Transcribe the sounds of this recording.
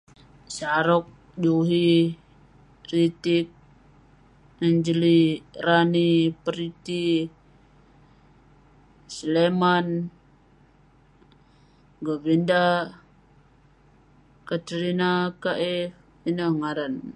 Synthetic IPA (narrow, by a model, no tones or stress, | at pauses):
saɾɔk̚ | d͡ʒuɦi | rit̪ik̚ | nəɲd͡ʒliranipəɾit̪i | sleman | ɡəbinda | kət̪ɾinakaʔɛf | inəŋaɾan